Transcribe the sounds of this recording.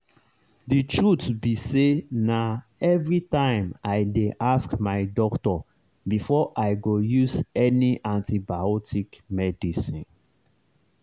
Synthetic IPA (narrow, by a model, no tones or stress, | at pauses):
ditʰɹutbisena | ɛvɹitãɪ̃majdeʔaskmaɪdɔktɔ | bifɔʔaɪɡojuzɛniʔãntibaɔtikmɛdisĩn